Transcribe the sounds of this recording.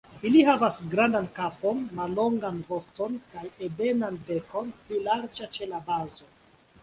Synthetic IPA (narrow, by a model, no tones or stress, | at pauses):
ilihavasɡɾandankapo̞nmalːo̞ŋɡanvo̞sto̞nkajebe̞nanbe̞ko̞nplilaɾd͡ʒat͡ʃe̞labazo̞